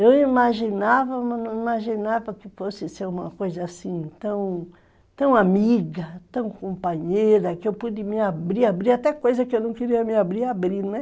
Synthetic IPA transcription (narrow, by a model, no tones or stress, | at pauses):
ewimaʒinavɐmɐ̃nɐ̃w̃imaʒinavɐkɪfosɪseũmɐ̰kojzɐasĩt̪ɐ̃w̃ | t̪ɐ̃w̃amiɡɐt̪ɐ̃w̃kõmpaɲejɾɐkɪewpud̪ɪmɪabɾiabɾiɾat̪ɛkojzɐkɪewnɐ̃w̃keɾiɐmiabɾiabɾinɛ